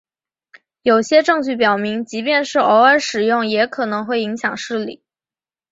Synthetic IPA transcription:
jo˨˩ʊɕjɛ˥ʈ͡ʂɤ˥˧ŋt͡ɕy˥˩pjɑ˨˩ʊmi˧˥ŋt͡ɕi˧˥pjɛ˥˧nʂɻ̩˥˩o˧˥ʊə˥nʂɻ̩˨˩jʊ˥˩ŋjɛ˧˥kʰɤ˨˩nɤ˧˥ŋxwe˥˩ɪi˧˥ŋɕjɑ˨˩ŋʂɻ̩˥˩lḭ˨˩˦

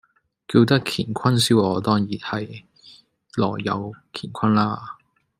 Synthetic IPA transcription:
kiː˧wt̪ɐ˥kʰiː˨˩nkʰɐ˥nsi˥wɔː˨˧t̪ɔː˥ŋjiː˨˩nhɐ˨j | lɔː˨˩jɐ̰˨˧wkʰiː˨˩nkʷʰɐ˥nlaː˥

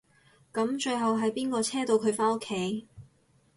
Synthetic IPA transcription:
kɐ˨˥mt͡ʃɵ˧ɥɦɐ˨wɦɐ˨jpiː˥nkɔː˧t͡sʰɛː˥t̪o˧wkʰɵ˨˧ɥfaː˥no˥kʰːe˨˥j

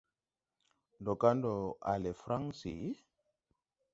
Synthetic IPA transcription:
ndo˨ka˦ndɔ˨a̰˨le˨fɾa˦ŋsḭ˨˦

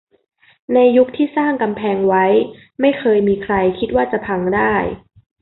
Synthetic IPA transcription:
na˧jːu˦˥k̚t̪ʰiː˥˩saː˥˩ŋka˧mpʰɛː˧ŋwa˦˥j | ma˥˩jkʰɤː˧jmiː˧kʰɾa˧jkʰi˦˥t̪̚waː˥˩t͡ɕa˨˩pʰa˧ŋdaː˥˩j

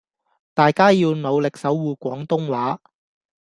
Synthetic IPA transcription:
t̪aː˨jkaː˥jiː˧wno˨˧wlɪ˨k̚sɐ˨˥wːuː˨˧kʷɔː˨˥ŋt̪ʊ˥ŋwaː˨˥

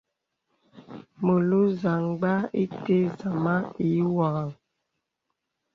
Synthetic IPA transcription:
mə˨lu˦za˨ŋɡ͡ba˦i˦te˦za˨ma˦i˨˦wa˨ɣa˨ŋ

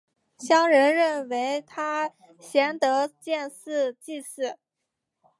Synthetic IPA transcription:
ɕjɑ˥ŋɻə˧˥nɻə˥˩nwe˧˥ɪt̪ʰa˥ | ɕjɛ˧˥nt̪ɤ˧˥t͡ɕjɛ˥˧nsɹ̩˥˧t͡ɕi˥˧sɹ̩˥˩

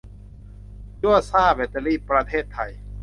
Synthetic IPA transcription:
t͡ɕu˥˩əsaː˥˩be˨˧˥t̪ːa˧liː˥˩pɾa˧t̪ʰeː˥˩t̪ʰːa˧˩j

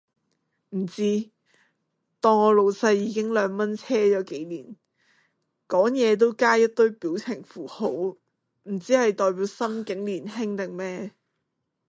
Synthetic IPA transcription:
m̩˨˩t͡siː˥ | t̪ɔː˥ŋɔː˨˧lo˨˧wsɐ˧jːiː˨˧˥kɪ˥ŋlœː˨˧ŋmɐ˥nt͡sʰɛː˥t͡ʃɔː˨˧˥ke˨˥jliː˨˩n | kɔː˨˥ŋjɛː˨˧t̪̬o˥wkaː˥jɐ˥t̚t̪ɵ˥ɥpiː˨˥wt͡sʰɪ˨˩ŋfuː˨˩ho˨˥w | m̩˨˩t͡siː˨˥hɐ˨jt̪ɔː˨jp̬iː˨˥wsɐ˥mkɪ˨˥ŋliː˨˩nhɪ˥ŋt̪ɪ˨˩ŋmɛː˥

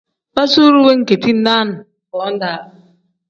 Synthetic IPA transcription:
ba˦su˦ɾu˦we˦ŋ̩˨ke˨ti˦n̩˦na˦n˨ | kɔ˨˦n̩˦da˨˦˨

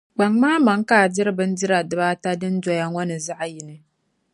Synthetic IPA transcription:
ɡ͡ba˨ŋmaː˦ma˨ŋ˦kaː˦˨dɪ˦ɾɨ˦bɨ˦n˦dɪ˦ɾa˨dɨ˦ba˦ta˦dɨ˦n̩˦d͡ʒɔ˨ja˦ŋʷɔ˦nɨ˨za˦ʔa˨ji˨nɨ˨

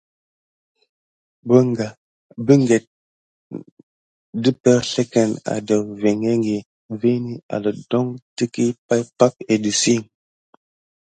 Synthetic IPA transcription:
bə˦ŋɡa˨ | bi˦ŋɡe˨t̚ | di˦pɛ˦ɾɬe˦kɛ˨na̰˨də˨ve˨ŋe˦ŋɡi˨ | ve˦ni˦a̰˨lə˨dɔ˦ŋti˦ki˦pa˦jpa˦k̚e˨di˨si˦˨ŋ

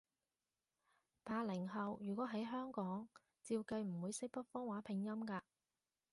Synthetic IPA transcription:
pʰaː˨lɪ˨˩ŋɦɐ˨wjyː˨˩kʷɔː˨˥ɦɐ˨˥jɦœː˥ŋkɔː˨˥ŋ | t͡siː˧wkɐ˧jm̩˨˩wuː˨˧jsɪ˥k̚pɐ˥t̚fɔː˥ŋwaː˨˥pʰɪ˨˩ŋjɐ˥mkaː˧

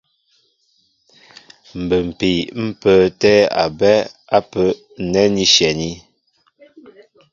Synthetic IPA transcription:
m̩˨bə˨m̩˨pi˨m̩˦pə˦˨tɛ˦a̰˨bɛ˦a˦pə˦ | nɛ˦ni˦ʃjɛ˨ni˦

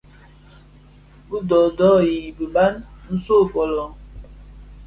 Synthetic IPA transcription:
bu˦dɔ˨dɔ˦ji˨bi˨ba˦nn̩˦so˦˨fɔ˨lɔ˨

